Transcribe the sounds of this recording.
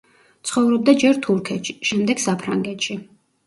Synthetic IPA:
t̪sʰχɔvɾɔb̚d̪ad͡ʒɛɾt̪ʰuɾkʰɛt̪ʃiʃɛmd̪ɛɡ̥sapʰɾaŋɡɛt̪ʃi

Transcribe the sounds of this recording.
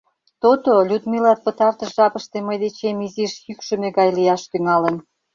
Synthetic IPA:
t̪ot̪olʲud̪milɑt̪̚pə̆t̪ɑrt̪əʃʒɑpəʃt̪eməjd̪et͡ɕemiziʃjykʃə̆meɡɑjlijɑʃt̪yŋɑlə̆n

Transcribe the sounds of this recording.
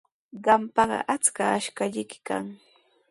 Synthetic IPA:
ɢɑmpɑɢɑ̰ʔat͡skaːʃkaʎɪjkɪ̥ka̰ŋ

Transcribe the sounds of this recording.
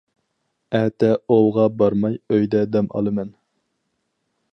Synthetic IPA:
ɛt̪ʰɛowˠʁɑbɑɾmɑjøjd̪ɛd̪ɛmʔɑ̰lˠɨmɛn

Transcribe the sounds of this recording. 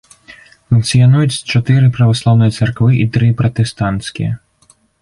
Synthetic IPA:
funk̪̚sɨjanujut͡sʲt͡ʂat̪ɨɾɨpɾɐvaslˠawnɨjɐt̪sarkvɨʔit̪ɾɨpɾɐt̪ɛst̪ant̪skʲḭjɐ̰

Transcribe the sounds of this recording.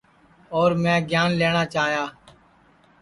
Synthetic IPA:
oːɾmɛ̃ːɡjaːnleːɳ̃aːt͡ʃaːɦjaː

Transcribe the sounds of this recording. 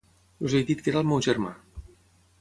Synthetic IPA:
uzejd̪it̪keɾalˠmewʒeɾma̰

